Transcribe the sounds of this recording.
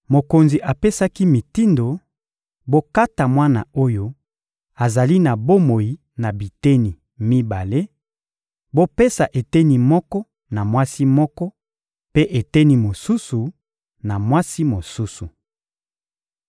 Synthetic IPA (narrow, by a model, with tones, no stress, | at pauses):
mo˨ko˨nzi˨ʔa˨pe˦sa˦ki˦mi˨ti˦ndo˨ | bo˦ka˦ta˨mwa˦na̰˨o˦jo˦ | a˨za˨li˦na˨bo˦mo˨i˨ | na˨bi˨te˦ni˨ | mi˦ba˨le˦ | bo˦pe˦sa˨ʔe˨te˦ni˨mɔ˦kɔ˦ | na˨mwa˦si˦mɔ˦kɔ˦ | pe˦ʔe˨te˦ni˦mo˨su˦su˨ | na˨mwa˦si˦mo˨su˦su˨